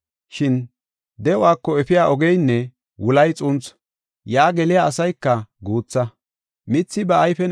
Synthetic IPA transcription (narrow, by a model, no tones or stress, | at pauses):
ʃɪn | d̪ɛʊaːkːɔɛfɪjaːʔɔɡɛjnːɛ | wʊlɐjt͡sʼʊnt͡s | jaːɡɛlɪjaʔːsɐjkːɐɡuːt͡sːɐ | mɪt͡sːɪbɐʔɐjfɛn